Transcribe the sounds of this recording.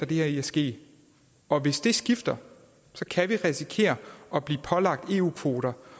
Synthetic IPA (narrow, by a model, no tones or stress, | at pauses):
ɐd̥e̝heɐiæsɡ̥e̝̰ː | ɒ̽ʋe̝sd̥e̝sɡ̥ifd̥ɐ | sɒ̽kʰæʋiʁisikʰe̝̰ːɐɒ̽b̥lḭːpʰɒ̽lɑ̈ɡ̥̚d̥e̝ːṵːkʰʋo̝ːɾ̥ɐ